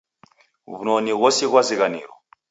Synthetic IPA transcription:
βunoniɣɔsiɣwaziɣanḭːɾɔ̰

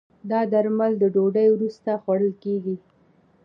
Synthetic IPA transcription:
d̪ɑd̪aɾmald̪əɖoɖəjwɾust̪axwaɽəlkeɡi

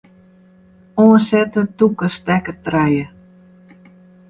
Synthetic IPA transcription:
ɔːnsɛtətukəstɛkətrɛjə

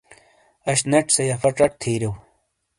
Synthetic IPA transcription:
ɐɕnɐʈ͡ʂsɐjɐfɐʈ͡ʂɐʈ̚t̪ʰeːɾew

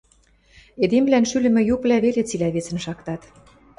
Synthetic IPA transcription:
ed̪emβlænʃylɘ̆mɘ̆juplæβelet͡silæβet͡sə̆nʃɑkt̪ɑt̪

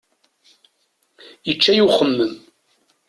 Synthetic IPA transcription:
jət͡ʃːæjuχəmːəm

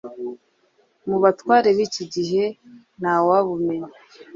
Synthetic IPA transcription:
muβatwaːɾe̞βiːciɟiɦe̞ | n̥awaβumeɲe

